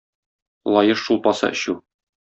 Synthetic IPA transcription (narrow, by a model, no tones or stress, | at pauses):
lˠɒjɤʃʃulˠpɒsɑ̰ʔɘ̆ɕʉ